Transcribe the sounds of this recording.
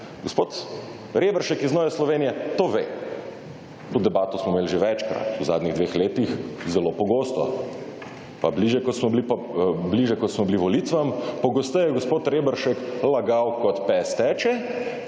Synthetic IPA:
ɡospoːt̪ | ɾeːbəɾʃɛkiznɔːʋɛslɔʋeːnijɛt̪oʋe | ud̪ɛbaːt̪ɔsmɔmeːlʒeʋɛt͡ʃkɾa̰t̪uzaːd̪niɣd̪ʋeːxleːt̪ixzɛlopɔɡoːst̪ɔ | pabliʒjɛkɔt̪smɔblipabliʒjɛkɔt̪smɔbliʋɔliːt̪ʋampɔɡost̪ɛjɛɡospoːt̪ɾebəɾʃɛklaɡawkɔt̪pɛst̪ɛːt͡ʃɛ

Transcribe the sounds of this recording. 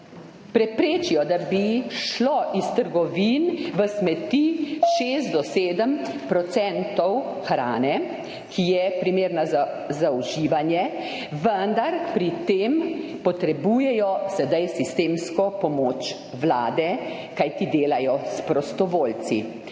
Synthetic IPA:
pɾɛpɾeːt͡ʃijɔd̪abiʃlɔʔist̪əɾɡɔʋiːnʋəsmɛt̪iʃeːst̪d̪ɔseːd̪əm | pɾɔt̪sɛnt̪ɔw | xɾaːnɛ | kʰijɛpɾimeːɾnaza | zauʒiːʋanjɛ | ʋənd̪aɾpɾit̪eːmpɔt̪ɾɛbuːjɛjɔsɛd̪ajsist̪eːmskɔpɔmoːt͡ʃ | ʋlaːd̪ɛ | kajt̪id̪eːlajɔspɾɔst̪ɔʋoːlt̪sḭ

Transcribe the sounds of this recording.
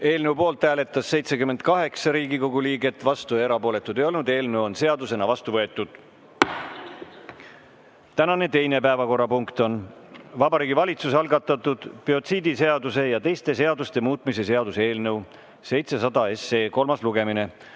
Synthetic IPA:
e̞ːlnewpo̞ːlt̪ːæːle̞t̪ːˑɑsːe̞jt̪se̞kymːend̪̚kɑɦe̞ksɑɾiːɡiko̞ɡuliːɡe̞t̪ːˑvɑst̪ue̞ɾɑpo̞ːle̞t̪ːˑud̪ejo̞lnud̪e̞ːlnewo̞nse̞ɑd̪use̞nɑvɑst̪uvɤe̞t̪ːˑud̪̥ | t̪ænɑne̞t̪e̞jne̞pæevɑko̞rːɑpuŋkt̪o̞nvɑbɑɾiːɡivɑlʲit̪sus̬ɑlɡɑt̪ːˑɑt̪ːˑud̪̥pio̞t̪siːd̪ise̞ɑd̪use̞jɑt̪e̞jst̪e̞se̞ɑd̪ust̪e̞muːt̪ˑmise̞se̞ɑd̪usee̞ːlnɤw | se̞jt̪se̞sɑd̪ɑe̞se̞ːko̞lmɑsluɡe̞mine̞

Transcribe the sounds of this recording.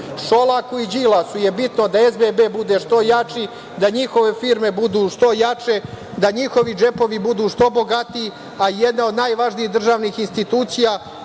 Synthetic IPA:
ʃolˠakuid͡ʒilasuje̞bit̪nod̪aezbebeːbud̪eʃt̪o̞jat͡ʃi | d̪aɲixo̞ʋe̞fiːɾme̞bud̪uːʃt̪o̞jat͡ʃe̞ | d̪aɲixo̞ʋid͡ʒe̞po̞ʋibud̪uːʂt̪o̞bo̞ɡat̪ii | aijed̪nao̞d̪naːjʋaʒniiɣd̪r̩ʒaːʋnixinst̪it̪uːt̪sija

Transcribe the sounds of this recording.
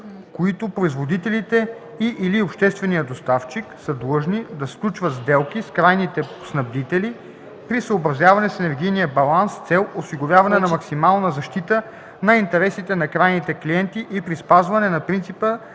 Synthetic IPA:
koit̪ʊpɾoizvod̪it̪ɛlit̪ɛ | iʔːliopʃt̪ɛst̪vɛnijəd̪ost̪aft͡ʃiksəd̪lˠɤʒnid̪ɐsklʲut͡ʃvət̪zd̪ɛlˠkiskɾajnit̪ɛ̥ | snɐbd̪it̪ɛli | pɾisəobɾɐzjavɐnɛsɛnɛɾɡ̟ijnijəbɐlˠanst̪sɛlˠosiɡovjavɐnɛnɐmɐksimalˠnəzɐʃt̪it̪ə | nɐint̪ɛɾɛsit̪ɛnɐkɾajnit̪ɛkliɛnt̪iʔipɾispazvɐnɛnɐpɾint̪sipə

